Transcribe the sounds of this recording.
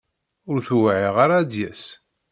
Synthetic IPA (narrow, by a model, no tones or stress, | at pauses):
ʊɾθuwʕiʁaɾad̪jæs